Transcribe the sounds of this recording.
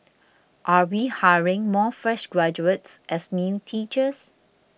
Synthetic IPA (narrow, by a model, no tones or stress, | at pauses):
ʔawihaɹɪ̃ŋmɔːfɹɛʃɡɹɛd͡ʒuətsʔɛsnjutʰiːt͡ʃəs